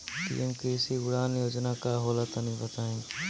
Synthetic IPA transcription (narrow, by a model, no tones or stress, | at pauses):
pḭemkisiɡʊɽaːnjoːd͡ʒnakaɦoːlat̪ənĩbət̪aːẽ